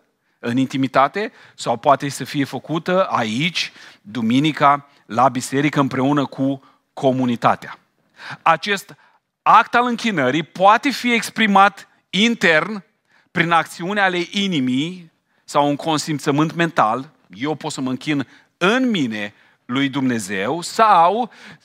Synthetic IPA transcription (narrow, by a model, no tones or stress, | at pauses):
ɨnint̪imit̪at̪e̞ | sawpoat̪e̞səfije̞fəkut̪əait͡ʃʲd̪uminika | labise̞ɾikəɨmpɾe̞unəkʰu | kʰo̞munit̪a̰t̪ea | at͡ʃe̞st̪ | akt̪alɨŋkʲinəɾipoat̪e̞fiekspɾimat̪ | int̪e̞rn | pɾinak̚t̪siuneale̞ʔinimij | sawuŋkʰo̞nsimpt̪səmɨnt̪me̞nt̪a̰l | je̞wpo̞t̪səməɨŋkʲin | ɨnmine̞ | lujd̪umne̞ze̞wsaw